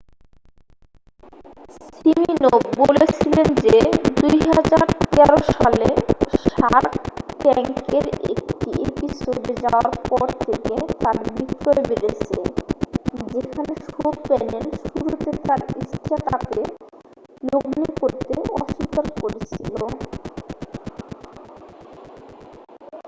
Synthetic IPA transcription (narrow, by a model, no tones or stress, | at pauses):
siminob̚bolet͡ɕʰilend͡ʑed̪ujɦad͡ʑaɾt̪ɛɾoʃaleʃaɾʈɛŋkeɾḛk̚ʈiʔepisobed͡ʑaoaɾpɔɾt̪ʰeket̪aɾbikt̪oɾebeɾet͡ɕʰe | d͡ʑekʰaneʃopɛnelʃuɾut̪et̪aɾiʃʈat̪ap̪e | loɡnikoɾt̪eɔʃikaɾkoɾet͡ɕʰilo